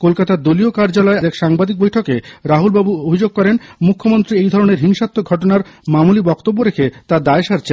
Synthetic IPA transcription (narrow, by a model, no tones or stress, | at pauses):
kolkat̪aɾd̪oliokaɾd͡ʑalɔed̪ekʃaŋbad̪ik̚bojʈʰɔkeɾaɦulbabuobʱid͡ʑoɡ̚kɔɾenmukʰːomont̪ɾiejd̪ʱɔɾoneɾɦiŋʃat̪ːoɡʱɔʈonaɾmamulibɔkt̪obːoɾekʰet̪ad̪aeʃaɾt͡ɕʰe